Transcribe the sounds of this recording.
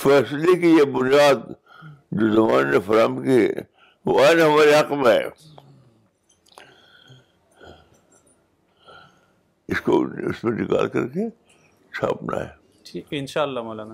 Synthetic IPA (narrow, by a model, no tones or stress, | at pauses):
fɛːslekijebʊnijaːd̪̚ | d͡ʒoːzɐmaːnnefɐɾəmkiɛ̰ | ʋoaːɪnɦɐmaːɾeɦɐqmẽɦɛ̰ː | ɪsko̰ʊ̰smẽnɪka̰ːlkɐ̰ɾke | t͡ʃʰa̰ːpna̰ɦɛ̰ː | ʈʰiːkɪnʃaːlːamalan